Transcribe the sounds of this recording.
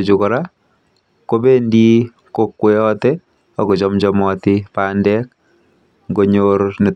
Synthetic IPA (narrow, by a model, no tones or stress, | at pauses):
t͡ʃukɔɾa | kobendi | kokwejɔtɛ | ɔkot͡ʃɔmt͡ʃɔmɔtɪpaːndɛk̚ | ŋɡoɲoɾne